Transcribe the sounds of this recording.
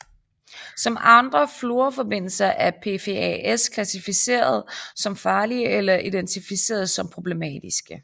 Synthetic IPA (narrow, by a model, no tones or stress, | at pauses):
sɒ̽mɑ̈nd̥ʁɐflo̝ːɐfɒ̽b̥e̝n̰l̩sɐʔæpʰe̝fʰe̝ɛ̰eskʰlæsifise̝̰ːɐð̞ˠsɒ̽mfɑ̈ːliəelɐʔid̥ent͡sʰifise̝̰ːɐð̞̩ˠsɒ̽mpʰʁo̝b̥le̝mɛ̰ːd̥isɡ̥ə